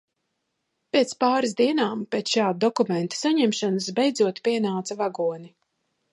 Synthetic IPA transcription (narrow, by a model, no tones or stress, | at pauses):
peːt̪spaːɾizd̪iɛnaːmpeːt̪sʃaːd̪̚d̪ɔkument̪ḁsaɲɛmʃanasbɛjd̪zuɔt̪pʲiɛnaːt̪savaɡuɔni